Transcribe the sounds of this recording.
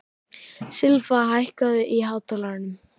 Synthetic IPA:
sɪlfaɦajhkaðʏʔiɦaːwt̪ʰalaɾɪnʏm

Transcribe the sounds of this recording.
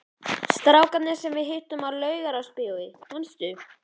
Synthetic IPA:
st̪ɾaːwkat̪nɪ̥sɛmvɪðɦɪht̪ʏmaɾlœːɥɣaɾawspɪːwðɪɔnst̪ʏ

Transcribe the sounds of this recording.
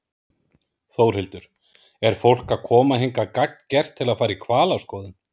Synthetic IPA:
θoːwɾ̥hɪlt̪ʏɾ̥ | ɛɾ̥fowl̥kakʰɔːmaɦejŋkakak̚n̥cɛr̥t̪ʰːɪlaðfaːjɾaikʰvaːlawskɔːðɪn

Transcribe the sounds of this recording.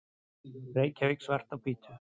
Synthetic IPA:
reːjcavɪksvɛr̥t̪awpiːt̪ʏ

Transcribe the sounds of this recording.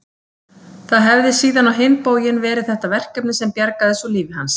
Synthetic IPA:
θaðɦɛvðɪsiːðanawɦɪnpoːwjɪnvɛːɾɪðθɛht̪avɛr̥cœpnɪsɛmpjaɾkaðɪsɔliːvɪɦans

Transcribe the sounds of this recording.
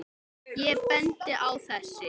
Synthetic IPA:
jɛpɛnt̪ɪʔawθɛsːɪ

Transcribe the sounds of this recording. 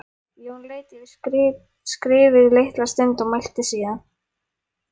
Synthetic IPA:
jɛunleːjt̪ɪð | skɾɪːvɪðlejht̪last̪ent̪ɔmajl̥t̪ɪsiːða

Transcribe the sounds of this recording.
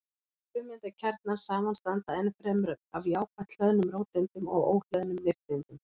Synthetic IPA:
pʏmːɪnt̪ɪcʰaɾt̪naɾ̥saːmanst̪aant̪aɛnfɾɛmɾʏmavjaːwpʰaht̪l̥œðnʏmɾoːwt̪ɪnt̪ʏmɔ̰ɣo̰ːwl̥œðnʏmnɪft̪ɪnt̪ʏm

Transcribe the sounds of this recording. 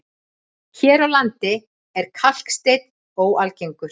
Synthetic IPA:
çɛːɾawlant̪ɪ | ɛɾ̥kʰal̥kst̪ejt̪̚n | owalcejŋkʏɾ̥

